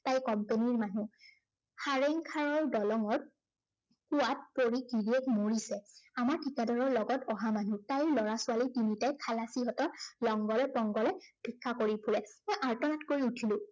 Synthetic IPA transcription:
tajkɔmpeniɹmanu | xaɹeŋkʰaɹɔɹdɔlɔŋɔɹ | kuwat̚poɹikiɹiɛkmoɹisɛamaɹtʰikadɔɹɔɹlɔɡɔtɔɦamanutajɹlɔɹasʊalitinitajkʰalasiɦɔtɔɹlɔŋɡɔlɔpɔŋɡɔlɛb̥ʱikʰːakoɹipʰulɛmojʔaɹtɔnatkoɹiutʰilʊ̃

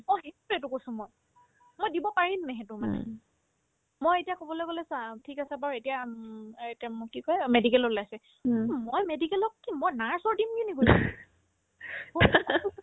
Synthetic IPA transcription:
mojɦettɛtʊkojsʊ̃moj | mojdibɔpaɹimnɛɦetʊma̰nɛ̰ | mojetijakobɔlojɡolɛsatʰikasɛbaɹetija | etiamkikɔjɛmedikɛlolajsɛ | mojmedikɛlɔkːimojnaɹsɔɹdimkinikoɛ

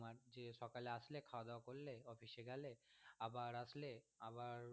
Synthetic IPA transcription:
maɾd͡ʑeʃɔkaleaslekʰaoad̪aokoɾleɔfiʃeɡɛleabaɾasleabaɾ

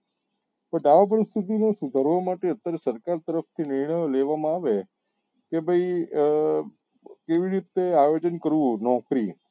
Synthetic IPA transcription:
pəɳɖaʋap̬əɾist̪ʰit̪inosud̪ʱəɾʋomaʈeət̪ːəɾsəɾkaɾt̪əɾəft̪ʰinɪɾɳ̃əjoleʋamãaʋe | kebʱəi | keʋiɾit̪eajod͡ʒənkəɾʋũnɔ̃kɾi

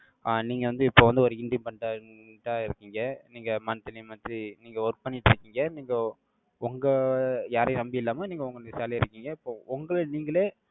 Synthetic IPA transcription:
aniːŋɡɐʋɐnd̪ɯɪpːoːʋɐnd̪ɯɔɾɯɪɳɖɪmpɐɳʈaːʈːaːɪɾɯkːɪːŋɡɐniːŋɡɐmɐnɯt̪ːɐnɪmɐnt̪iniːŋɡɐɔɾpɐnːɪʈːɪɾɯkːiːŋɡɐniːŋɡɐ | ʊŋɡɐjaːɾenɐmbiɪlːaːmɐniːŋɡɐʊŋɡɐnd̪ɐsaːliɪɾɯkːiːŋɡɐɪpːoːʊŋɡɐɭɯniːŋɡɐɭeː

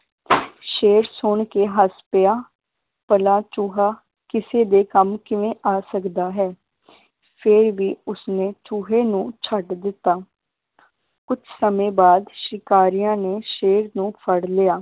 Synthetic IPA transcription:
ʃeːɾsʊɳkeːɦəspɪjaː | pəlaːt͡ʃuːɦaː | kɪseːd̪eːkəmkɪʋẽːʔaːsəkd̪aːɦɛː | pʰɪɾʋiːʊsneːt͡ʃuːɦeːnũːt͡ʃʰəʈd̪ɪt̪ːaː | kʊt͡ʃʰsəmẽːbaːd̪ʃɪkaːɾijãːneːʃeːɾnũːpʰəɽlɪjaː

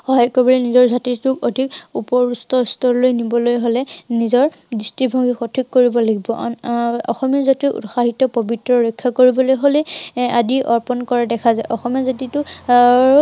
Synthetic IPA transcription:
xɔɦajkɔbɔlenizɔɹzatitukodʱikupɔɹustɔstɔɹlojnibɔlojɦolɛnizɔɹ | distibʱɔŋɡixɔtʰikːoɹibɔlaɡibɔ̰ʔɔ̰xɔmijazatiʔṵtxaɦitɔpobitɹɔɹɔjkʰːakoɹibɔlojɦolejadiʔɔɹpɔnkɔɹadɛkʰazajʔɔxɔmijazat̬itʊ

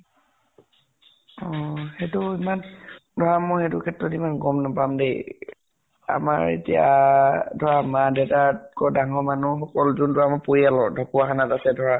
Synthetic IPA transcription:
ɔxetʊimandʱɔɹamɔxetʊkʰɛtɹɔtimanɡɔmnɔpamdej | a̰maɹḛtija̰ | dʱɔɹamadɛtatkɔdaŋɔmanuxɔkɔlzuntʊamapoialɔdʱɔkuakʰanatasɛdʱɔɹa

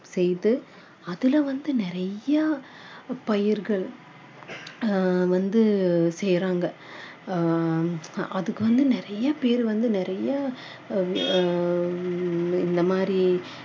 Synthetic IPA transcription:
sɛjðɯ | ɐðɪlɐʋɐnd̪ɯnɪɾɐjɐ | pɐjɪɾɣɐɭ | ʋɐnd̪ɯsɛjɾaːŋɡɐ | ɐðɯkːɯʋɐnd̪ɯnɪɾɐjɐpeːɾɯʋɐnd̪ɯnɪɾɐja | ɪnd̪ɐmaːdɾi

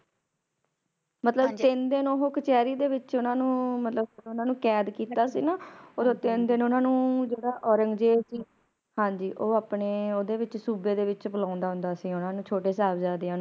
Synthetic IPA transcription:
mət̪ləbt̪ɪnd̪ɪnoːɦoːkət͡ʃɛːɾiːd̪eːʋɪt͡ʃʊnãːnũːmət̪ləbʊnãːnũːkɛːd̪kiːt̪aːsḭːnaːoɾt̪ɪnd̪ɪnʊnãːnũːd͡ʒeːɽaːʔɔːɾəŋɡd͡ʒeːd͡ʒiː | hãːd͡ʒiːʔoːaːpneːoːd̪eːʋɪt͡ʃsuːbeːd̪eːʋɪt͡ʃbʊlãːʊnd̪aːɦʊ̃nd̪aːsĩːʊnãːnũːt͡ʃʰoːʈeːs̬aːbzaːd̪eːaːnː

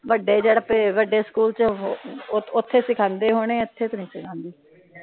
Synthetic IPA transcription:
ʋəɖːeːd͡ʒeːɽpeːʋəɖeːskuːlt͡ʃ | ʊt̪ʰːeːsɪkʰãːnd̪eːɦoːɽ̃eːʊt̪ʰːeːt̪oːnĩːsɪkʰãːnd̪iː

